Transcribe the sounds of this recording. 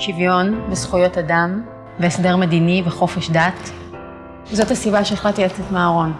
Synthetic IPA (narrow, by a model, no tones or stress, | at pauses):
ʃivjo̞nbesχujo̞tadam | veesdeʁmediniveχo̞feʃdat | zo̞tasibaʃeːχlat̪ilat͡setmaːʁo̞n